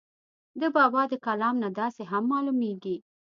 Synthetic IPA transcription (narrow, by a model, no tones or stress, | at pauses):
d̪əbɑbɑd̪əkalɑmnad̪ɑseɦamːɑlumeɡi